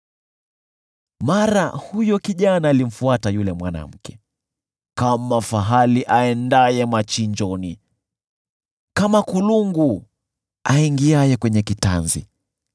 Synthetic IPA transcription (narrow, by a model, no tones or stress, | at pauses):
maɾahujɔkiʄanaːlim̩fuatajulɛmwana̰m̩kɛ̥ | kamafaɦaliʔaɛndajɛmat͡ʃiɲd͡ʒɔni | kamakuluŋɡu | aiŋɡiajɛkwɛɲɛkitanzḭ